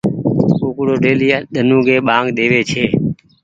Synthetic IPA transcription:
oːkuɽoːɖeːliːaɗ̪ənũːɡeːɓãːŋɡɗ̪eːʋeːt͡ʃʰeː

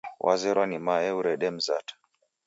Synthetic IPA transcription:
wʔa̰zɛɾwanimaɛuɾɛɗɛm̩zatḁ

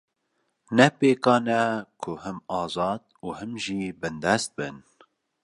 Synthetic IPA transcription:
nɛpeːkɑːnɛkʰʊhɨmɑːzɑːd̪̚uːhɨmʒiːbɨnd̪ɛst̪̚bɨn

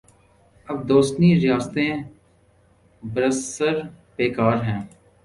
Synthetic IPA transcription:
əbd̪oːst̪niːɾɪjaːst̪ẽ | bəɾəsəɾ | peːkaːɾɦɛ̃ː

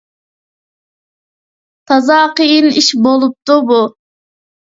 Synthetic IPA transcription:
t̪ʰɑzɑːqəjiniʃbolˠup̚t̪ubu

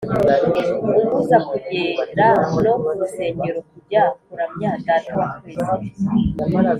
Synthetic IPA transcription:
uŋɡuzakuɟeːndanoɾuse̞ːɲɟeɾokuɟakuɾamɲandatwaβeza

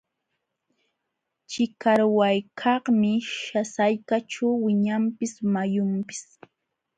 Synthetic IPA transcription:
t͡ʃɪkaɾwajkʰɑχmɪʃasajkaʈ͡ʂawwɪɲampɪsmajʊmpɪ̥s

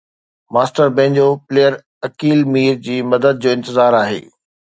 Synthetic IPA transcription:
maːsʈəɾbẽːɲd͡ʑoːpleːəɾ | ɐkiːlmiːɾd͡ʑiːmɐd̪əd̪̚d͡ʑoːɪ̃nt̪ɪzaːɾaːɦḛː

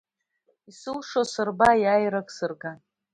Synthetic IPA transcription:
isɨlʂosɨrbajajɾakʼsɨrɡan

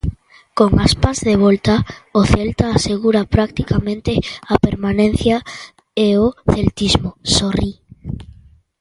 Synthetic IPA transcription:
koŋaspazðeβ̞ɔlt̪aoθelt̪aːseɣuɾapɾak̚t̪ikamẽnt̪eapeɾmanẽn̟θja | eoθelt̪izmosori

